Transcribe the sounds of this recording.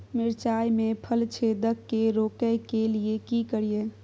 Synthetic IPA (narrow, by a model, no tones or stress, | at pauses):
mɪɾt͡ʃajmepʰəlt͡ʃʰed̪əkːeɾokəjkeliekikəɾije